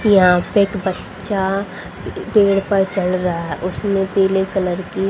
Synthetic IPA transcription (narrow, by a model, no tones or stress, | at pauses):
jɐɦãpeeːkbətː | ʃa | peːɽpəɾt͡ʃɐlɾɐɦaɦɛʔʊsnẽpeːlekɐləɾki